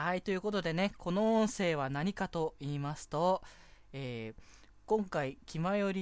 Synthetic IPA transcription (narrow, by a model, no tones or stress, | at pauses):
ait̪o̞jɯ̟ːko̞t̪o̞d̪e̞ne̞kʰo̞no̞õɰ̃se̞ːβ̞anaɲ̟ikat̪o̞iːmasɨ̥t̪o̞ | eː | kõ̞ŋkaikʲimajo̞ɾʲi